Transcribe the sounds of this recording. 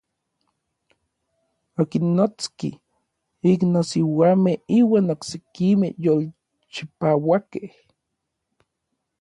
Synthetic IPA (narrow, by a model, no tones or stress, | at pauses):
okinːot͡skḭ | iknosiwaːmehiːwaːnoksekimḛhjol | t͡ʃipawakeh